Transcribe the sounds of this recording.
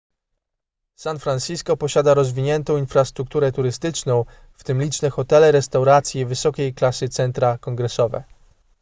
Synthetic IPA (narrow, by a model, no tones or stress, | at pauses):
sanfɾanɕiskɔpɔɕad̪aɾɔzvʲiɲɛnt̪ɔ̃w̃infɾast̪ɾuk̚t̪uɾɛt̪uɾɘst̪ɘt͡ʂnɔ̃w̃ | ft̪ɘmlʲit͡ʂnɛxɔt̪ɛlɛɾɛst̪awɾat̪sʲjɛvɘsɔkʲejklasɘt̪sɛnt̪ɾakɔŋɡɾɛsɔvɛ̰